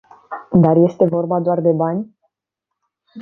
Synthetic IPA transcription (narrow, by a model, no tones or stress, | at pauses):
d̪arje̞st̪e̞vo̞rbad̪oard̪e̞banʲ